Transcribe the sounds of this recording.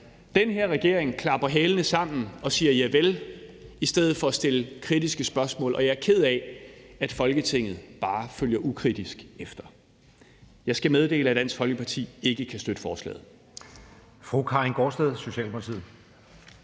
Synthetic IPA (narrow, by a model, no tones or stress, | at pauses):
d̥enɦe̝ɐ̰ʁɛɡ̥e̝ɐeŋkʰlɑ̈b̥ɐɦɛːlənəsɑ̈m̰n̩ɒ̽siːɐjæʋel | isd̥eð̞̰ˠð̩ˠfɒ̽æsd̥e̝ləkʰʁid̥isɡ̥əsb̥ɶɐsmɔ̰̽ːlʔɒ̽jɑ̈æɐkʰe̝ð̞̰ˠɛæd̥fɒ̽lɡ̥ət͡sʰe̝ŋ̰ð̞̩ˠb̥ɑ̈ːføljɐʔukʰʁid̥isɡ̥efd̥ɐ | jɑ̈ɪsɡ̥æmeð̞ˠd̥e̝̰ːləæd̥æn̰sɡ̥fɒ̽lɡ̥əpʰɑ̈t͡sʰḭːe̝ɡ̥əkʰæsd̥ød̥əfɒːslɛ̰ːð̞̩ˠ | fʁukʰɑ̈inɡ̥ɒsd̥eð̞ˠso̝ɕɛ̰ːlmʰolt͡sʰḭð̰̩ˠ